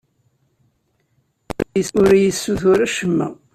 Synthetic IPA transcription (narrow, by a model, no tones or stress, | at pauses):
əʊɾjəsːuθʊɾæʃəmːæ̰